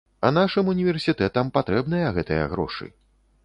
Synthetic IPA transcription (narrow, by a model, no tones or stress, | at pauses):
ɐ̰naʂɨmunʲivʲɛrsʲit̪ɛt̪ɐmpat̪ɾɛbn̪ɐjɐɣɛt̪ɨjɐ̰ɣɾɔ̰ʂɨ̰